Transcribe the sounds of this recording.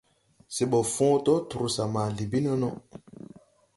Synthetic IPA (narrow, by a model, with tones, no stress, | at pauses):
se˨ɓɔ˨fɔ̃ː˦tɔ˦tu˨ɾu˨sa˨ma˨li˨bi˦nɔ˦nɔ˦